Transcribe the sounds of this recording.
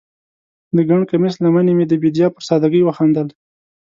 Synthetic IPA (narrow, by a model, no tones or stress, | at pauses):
d̪əɡaɳkamɪslamanemed̪əbed̪jɑpəɾsɑd̪aɡəjwəxand̪əl